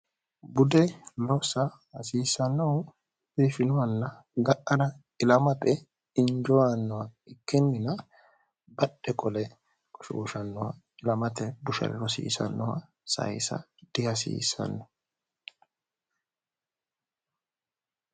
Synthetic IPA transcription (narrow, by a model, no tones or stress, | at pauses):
bʊd̪ɛlɔsɐ | ɐsiːsɐnːɐw | bifɪnɔwɐlːɐ | ɡɐʔɐdɐ | ɪlɐmɐt̪ɛ | ɪnd͡ʒɔwanːɔwɐɪkːɪmːɪnɐ | bɐɗɛkʼɔlɛ | kʼɔ̥ʃṵːʃɐnːɔwɐ̰ | ɪlɐmɐt̪ɛbʊʃɐ̰ɾlɔsḭːsɐ̰nːɔwɐ | sɐ̰jsɐ̰d̪̥ɪɐsḭːsɐ̰nːɔ